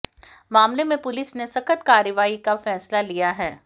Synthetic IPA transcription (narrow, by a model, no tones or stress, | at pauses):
maːmlemẽpʊlɪsnesɐkʰət̪kaːɾəʋaːikafɛːslalijaɦɛː